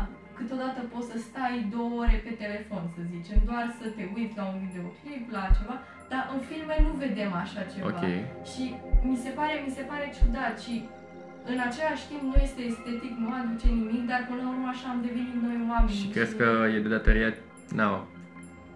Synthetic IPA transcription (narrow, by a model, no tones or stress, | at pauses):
kɨt̪o̞d̪at̪əpo̞t̪səst̪ajd̪o̞wəoɾʲe̞pe̞t̪e̞le̞fo̞nsəzit͡ʃe̞md̪oarsət̪e̞ujt̪ʲlaunvid̪eokliblat͡ʃe̞va | d̪̥aʔɨnfilmenuve̞d̪e̞maʃat͡ʃe̞o̰vakaḛjʃimise̞paɾe̞mise̞paɾe̞t͡ʃud̪at̪ʃi | ɨnat͡ʃe̞laʃʲt̪impnuje̞st̪e̞ːst̪e̞t̪iknuad̪ut͡ʃenimikd̪arpənlaurmaʃaamd̪e̞venit̪no̞jwame̞nʃʲikɾed̪kəjed̪ed̪at̪oɾia | na